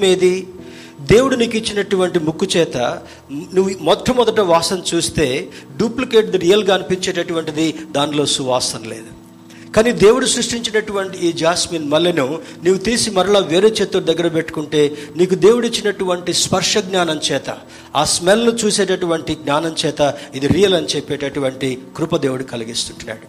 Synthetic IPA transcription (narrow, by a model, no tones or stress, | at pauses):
meːd̪i | d̪e̞ːwuɽuniːkit͡ʃːinɐʈuʋɐɳʈimukːut͡ʃɛːt̪ɐ̰ | nuʋumɔʈʰːɐmːɔd̪ɐʈɐʋaːsɐmt͡ʃuːst̪e̞ːɖjuːplike̞ːʈ̚d̪ɾijɐlɡaːɐnipiɲt͡ʃɛːʈɐʈuʋɐɳʈid̪id̪aːnlo̞ːsuʋaːsɐnle̞ːd̪u | kaːniːd̪e̞ːwuɽusɾuʂʈiɲt͡ʃinɐʈuʋɐɳʈiːd͡ʒaːsmiːnmɐlːjɐnu | nuʋːut̪iːsimɐɾɐɭaːʋeːɾeːt͡ʃeːt̪ːod̪ɐɡːɐɾɐpeʈːu̥kuɳʈe̞ːniːk̬ud̪e̞ːwuɽit͡ʃːinɐʈuʋɐɳʈispɐɾʂɐɡɲaːnɐmt͡ʃɛːt̪ɐ̰ | aːsmɛlːut͡ʃuːseːʈɐʈuʋɐɳʈiɡnaːnɐmt͡ʃɛːt̪ɐid̪iɾiːjɐlɐnit͡ʃɛpːeːʈɐʈuʋɐɳʈikɾupɐd̪e̞ːwuɽukɐliɡist̪uɳʈunːa̰ːɽu